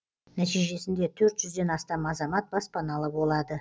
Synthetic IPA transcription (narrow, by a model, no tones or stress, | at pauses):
næt̪ijʒe̞sɪnd̪e̞t̪ʰɵɾt̪ʒ̥ʏzd̪e̞nɑst̪ɑmɑzɑmɑt̪̚bɑspɑnɑlˠəbo̞lˠɑd̪ə